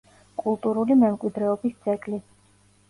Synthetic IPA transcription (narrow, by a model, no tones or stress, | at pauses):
kʼulˠt̪ʼuɾulimɛmkʼwid̪ɾɛɔbist̪sʰʼɛkʼli